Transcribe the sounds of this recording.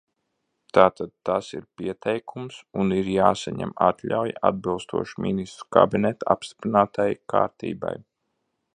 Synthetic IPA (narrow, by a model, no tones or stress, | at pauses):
t̪aːt̪ad̪̚t̪asḭɾpiɛt̪ʰɛjkʰumsuniɾjaːsaɲɛ̰mat̪lʲa̰wjʔa̰d̪̚bilˠst̪uɔʃmʲinist̪ɾu̥ka̰binɛt̪apst̪i̥pɾinaːt̪ajkaːɾt̪ḭːba̰j